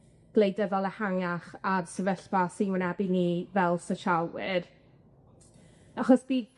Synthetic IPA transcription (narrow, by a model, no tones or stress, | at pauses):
ɡ̥lˠejdəðɔlˠəhaŋaχarsəvəɬpasinwənɛbɪniːvɛlˠsəʃawwɪɾ | aχɔsb̥iː